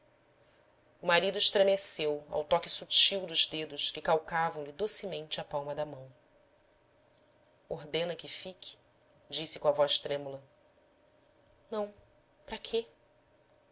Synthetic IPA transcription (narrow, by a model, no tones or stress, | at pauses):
ʊmaɾid̪ʊɪʃt̪ɾemesewa̰wt̪ɔkɪsut͡ʃiwd̪ʊzd̪ed̪ʊʃkɪkawkavɐ̃w̃lɪd̪osɪmẽnt͡ʃɪapawmɐd̪ɐmɐ̃w̃ | oɦd̪ẽnɐkɪfikʰɪ̥ | d͡ʒisɪkõavɔʃt̪ɾẽmulɐ | nɐ̃w̃ | pɾɐkʰe